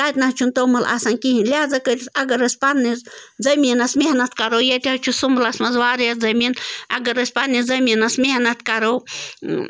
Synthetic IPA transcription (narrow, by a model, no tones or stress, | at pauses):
t̪aːt̪nɐht͡ʃʰunt̪owmɐla̰sɐnkiɦinlʲaːzɐkətʲisɐɡɐɾɐsʲpanːizd͡zɐminɐsmeɦnɐt̪ʰkaɾowjɐt̪ʲɦɐt͡ʃʰusumblɐsmɐzwaːɾjɐd͡zɐminɐ̰ɡɐɾɐsʲpanːid͡zɐminɐsmehnɐt̪̚ʰkɐɾow